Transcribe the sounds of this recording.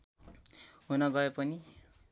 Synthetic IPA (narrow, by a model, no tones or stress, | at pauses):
ɦunʌɡʌepʌni